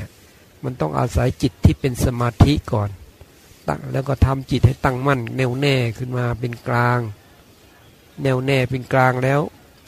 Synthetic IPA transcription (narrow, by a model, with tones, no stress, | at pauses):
ɐ | ma˧˨nt̪ɔ˥˩ŋʔa̰ː˧sa˨˩˦jt͡ɕi˨˩t̪ʰːiː˥˩pe˧nsa˧maː˧t̪ʰi˦˥ʔkɔː˨˩n | t̪a̰˧˩lɛː˦˥wkɔː˧˩t̪ʰa˧mt͡ɕi˨˩t̪̚ha˧˩jt̪a˥˩ŋma˧˥˩nnɛː˧˨wnɛː˧˩kʰɯ˥˩nmaː˧p̬e˧nklaː˧ŋ | nɛː˧˨wnɛː˧˩pe˧nklaː˧ŋlɛː˦˥w